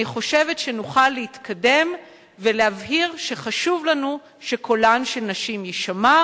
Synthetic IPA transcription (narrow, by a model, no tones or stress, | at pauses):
niχo̞ʃe̞ve̞tʃe̞nuχalːehit̪kʰade̞m | velehavɦiʁʃe̞χaʃuvlanu | ʃe̞kʰolanʃelnaʃimjiʃama